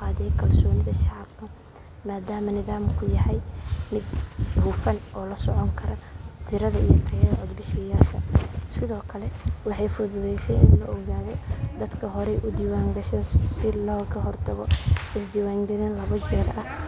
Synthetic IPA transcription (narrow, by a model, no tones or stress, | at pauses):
qɑːðɛjkʰɐlsɔːnɪðɐʃɑʕɑb̚kʰɐ | maːd̪aːmɐnɪðaːmkʰʊjɐhɐjmɪd̪huːfɐnʔɔːlɐsɔʕɔŋkʰɐɾɐt̪ʰɪɾɐðɐʔḭjɔt̪ʰɐjɐðɐʕɔd̪bɪħɪjaːʃɐsɪðɔːkʰɐlɛwɑħɑjfʊðʊðɛjsɛjɪnlɐʔɔɣaːðɔd̪ɐd̪kʰɐɦɔɾɛʔʊd̪iːwaːŋɡɐʃɐnsɪlɔːɣɐɦɔrt̪ʰɐɣɔɪsd̪iwaːŋd̪ɐðɐnlɐβɐt͡ʃɛːɾɐh